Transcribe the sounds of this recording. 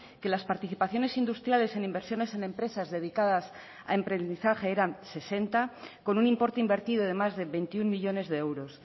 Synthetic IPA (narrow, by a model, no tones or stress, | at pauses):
ke̞laspaɾt̪iθipaθjo̞ne̞sind̪ust̪ɾjale̞se̞nimbe̞ɾsjo̞ne̞se̞nẽ̞mpɾe̞sazðe̞ðikaðas | a̰e̞mpɾe̞nd̪iθaxe̞eɾanse̞se̞nt̪ako̞nunĩmpo̞ɾt̪eimbe̞ɾt̪iðoð̞e̞mazðe̞βent̪iuŋmiʎo̞ne̞zðeewɾo̞s